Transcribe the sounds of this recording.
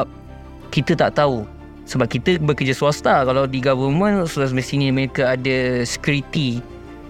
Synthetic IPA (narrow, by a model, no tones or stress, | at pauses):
p̚ | kit̪ət̪a̰ʔt̪au | səbap̚kit̪əbəkəd͡ʒasuast̪akalawdiɡavəmə̃nsulas̬məsiniməɾekaadəsə̥kuɾit̪i